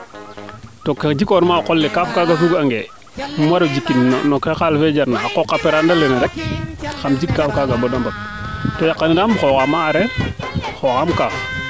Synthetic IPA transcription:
toked͡ʒikoɾmakolːekafkaɡafuɡaŋɡḛ | mwaɾad͡ʒikːinːnokexalfed͡ʒaɾnaakokapeɾandalenaɾek̚xamd͡ʒikːafkaɡabodambat̚ | tojaqːaniɾamxoxamaːɾe | xoxamkaː

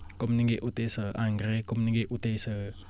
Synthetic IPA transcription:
kʊmniŋɡeʔut̪esəʔaŋɡɾekʊmniŋɡeʔut̪esə

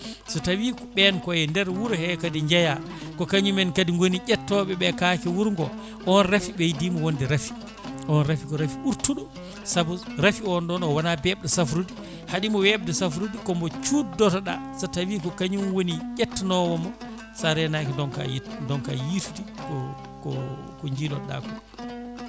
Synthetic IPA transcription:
sɔtawikɓɛnkɔjɛndɛɾwuɾhɛkadiɲd͡ʒaja | kɔkaɲumɛnkadiŋɡoniʔɛtːɔɓɛɓɛkakɛwuɾŋɡɔ | ʔɔnrafiɓɛjidimɔwondɛɾafi̥ | ʔɔnɾafikɔɾafiuɾtuɗɔ | sabuɾafiɔnɗɔnɔwanabɛɓdɛsafɾudi | haɗimɔwɛɓdɛsafɾudikɔmbɔt͡ʃuːdɔtaɗasatawikɔkaɲumwoniʄʲɛtːanɔwɔmɔ | saɾɛnakɛdɔŋka̰jdɔŋka̰jitutikɔ | kɔkɔɲd͡ʒilɔɗa̰kɔ

